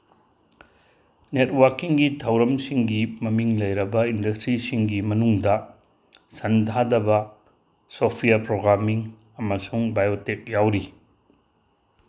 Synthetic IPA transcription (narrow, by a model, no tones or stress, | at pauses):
net̚wɐɾkiŋɡitʰɐwɾɐmsiŋɡimɐmiŋlɐjɾɐbɐindɐstɾisiŋɡimɐnuŋdɐ | sɐndʱadɐbɐ | sopʰijɐpɾoɡɾamiŋ | ɐmɐsuŋbajotek̚jawɾi